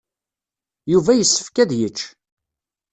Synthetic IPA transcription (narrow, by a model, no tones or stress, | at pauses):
juvæjəsːə̥fkæðjət͡ʃː